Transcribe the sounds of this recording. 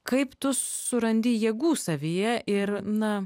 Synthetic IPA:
kɐɪpt̪ʊsʊɾɐnʲd̪ʲiːjɛːɡuːsɐʋʲiːjɛʔɪrnɐ

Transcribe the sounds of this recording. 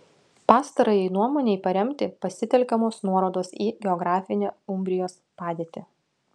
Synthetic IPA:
pɑːst̪ɐɾɐjɛɪnuɔmoːnʲɛɪpɐɾʲɛmʲt̪ʲɪpɐsʲɪt̪ʲɛlʲkʲɛmoːsnuɔɾoːd̪oːsiːɡʲɛɔɡɾɑːfʲɪnʲeːʊmʲbʲɾʲɪjoːspɑːd̪ʲeːt̪ʲɪ

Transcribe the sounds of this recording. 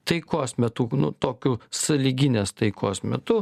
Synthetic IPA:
t̪ɐɪkoːsmʲɛt̪uːnʊ̰t̪oːkʲʊsɐlʲiɡʲɪnʲeːst̪ɐɪkʰoːsmʲɛt̪ʊ

